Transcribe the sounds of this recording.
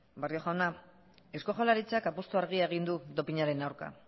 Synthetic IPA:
bario̞ʝawna | e̞sko̞ʝolaɾit͡sakapost̪uaɾɣiae̞ɣind̪ut̪o̞piɲaɾe̞nawɾka̰

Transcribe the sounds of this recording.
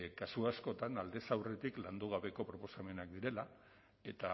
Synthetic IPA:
kasuasko̞t̪anald̪e̞sawre̞t̪ikland̪uɣ̞aβe̞ko̞pɾo̞po̞same̞nakd̪iɾe̞la | e̞t̪a

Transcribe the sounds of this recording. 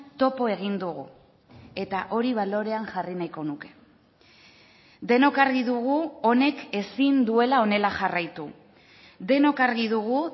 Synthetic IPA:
t̪o̞po̞e̞ɣ̞ind̪uɣu | e̞t̪aʔo̞ɾiβ̞alo̞ɾe̞aŋʝarinajko̞nuke̞̥ | d̪e̞no̞kaɾɣiðuɣuo̞ne̞ke̞sind̪ue̞lao̞ne̞laxarajt̪u | d̪e̞no̞kaɾɣiðuɣ̞u

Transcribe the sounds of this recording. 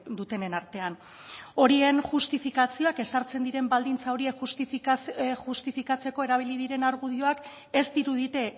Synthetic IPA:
d̪ut̪e̞ne̞naɾt̪e̞an | o̞ɾienʝust̪ifikat͡sio̞ake̞saɾt͡se̞nd̪iɾe̞mbald̪int͡sao̞ɾie̞kxust̪ifxust̪ifikat͡se̞ko̞e̞ɾaβ̞iliðiɾe̞naɾɣ̞uðio̞ak | e̞st̪iɾuð̞it̪e̞

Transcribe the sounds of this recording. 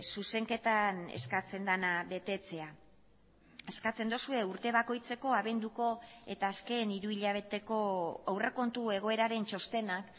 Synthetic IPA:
suse̞ŋke̞t̪ane̞̰skat͡se̞nd̪anaβe̞t̪e̞t͡se̞a | eskat͡se̞nd̪osue̞uɾt̪e̞βako̞jt͡se̞ko̞aβe̞nd̪uko̞e̞t̪aːske̞ːniɾuiʎaβ̞e̞t̪e̞ko̞awre̞ko̞nt̪ue̞ɣ̞o̞e̞ɾaɾe̞nt͡ʃo̞st̪e̞nak

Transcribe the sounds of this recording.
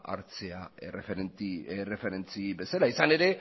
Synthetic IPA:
a̰ɾt͡seaerefet̪ire̞fe̞ɾe̞nt͡sibe̞salaisane̞ɾe̞

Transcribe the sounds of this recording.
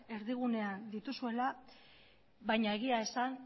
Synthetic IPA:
e̞ɾðiɣ̞une̞and̪it̪usue̞la | βajɲae̞ɣ̞iae̞san

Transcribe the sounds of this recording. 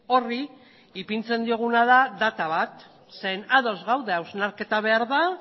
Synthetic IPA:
o̞ri | ipint͡se̞nd̪io̞ɣ̞unaðaðat̪aβ̞at̪ | se̞naðo̞zɣawðe̞awznaɾke̞t̪aβ̞e̞aɾða

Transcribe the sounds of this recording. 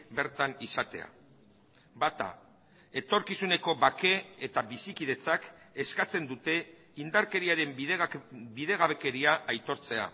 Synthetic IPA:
be̞ɾt̪anisat̪e̞a̰ | bat̪a̰ | e̞t̪o̞ɾkisune̞ko̞βake̞et̪aβisikiðe̞t͡sak | eskat͡se̞nd̪ut̪e̞ | ind̪aɾke̞ɾiaɾe̞m | biðeɣaβe̞ke̞ɾiaʔajt̪o̞ɾt͡se̞a̰

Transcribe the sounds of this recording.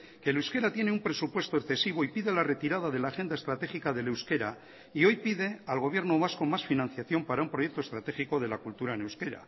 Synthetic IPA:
ke̞lewske̞ɾat̪je̞neumpɾe̞supwe̞st̪oekθe̞siβo̞ipiðe̞lare̞t̪iɾaðaðe̞laːxe̞nd̪aest̪ɾat̪e̞xikaðe̞lewske̞ɾa | io̞jpiðe̞alɣo̞β̞je̞ɾnoβasko̞masfinãn̟θjaθjo̞mpaɾaumpɾo̞jekt̪ost̪ɾat̪e̞xiko̞ð̞e̞lakult̪uɾaene̞wske̞ɾa̰

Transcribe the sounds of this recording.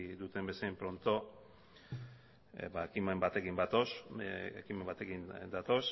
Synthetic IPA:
d̪ut̪e̞mbe̞seempɾo̞nt̪o̞ | baekime̞mbat̪e̞kimbat̪osekimembat̪e̞kind̪at̪o̞s

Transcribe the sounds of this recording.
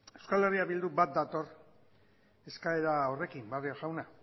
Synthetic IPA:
e̞wskale̞riaβild̪ubat̪̚d̪at̪o̞r | e̞skaeɾao̞re̞kimbarioʝawna

